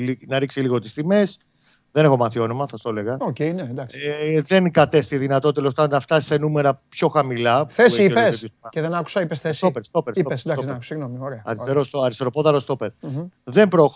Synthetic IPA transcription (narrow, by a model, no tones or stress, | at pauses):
inɐɾiksiliɣo̞t̪i̥st̪ime̞s | ðe̞ne̞xo̞mɐθio̞no̞mɐsɐst̪o̞le̞ɣɐocejnend̪ɐkðe̞nkɐt̪e̞st̪iðinɐt̪ot̪t̪elost̪ɐnɐft̪ɐ̥se̞nume̞ɾɐpço̞xɐmilɐθeseipesisceðenɐku̥sɐipesθesopeɾst̪opeɾsioesd̪ssiɣnomioɾeɐɐ̰ɾist̪eɾost̪oɐɾist̪eɾo̞poðɐɾost̪o̞peɾðe̞mbɾo̞x